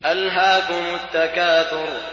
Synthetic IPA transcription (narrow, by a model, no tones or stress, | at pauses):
ʔalɦaːkʊmʊt̪ːakaːt̪ʊɾ